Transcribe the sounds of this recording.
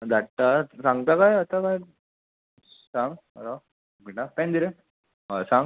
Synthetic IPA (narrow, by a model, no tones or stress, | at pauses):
d̪aʈːasãŋɡt̪akajɐt̪akaj | sãŋɡ̰ | ɾa | ɡiʈapẽnd̪iɾe | asãŋɡ